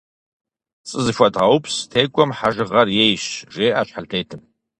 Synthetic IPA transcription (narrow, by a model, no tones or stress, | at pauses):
t͡sʼɨzɨfʷɐdʁɐwpstʰeːkʷʼɔmħaʒɨʁɐrjejɕʒeːʔaːɕħaltʰeːjtʰɨm